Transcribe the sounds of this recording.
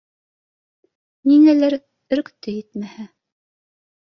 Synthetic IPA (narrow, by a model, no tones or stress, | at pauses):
ninælæɾ | ɵ̆ɾkt̪ɵjɘt̪mæhæ